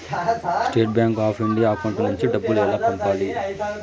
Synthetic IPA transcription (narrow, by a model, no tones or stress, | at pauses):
sʈe̞ːʈ̚bjaːŋkaːpʰiɳɖijaːkɐɳʈɐnuɲt͡ʃiɖɐbːulɛlaːpɐɳʈaːli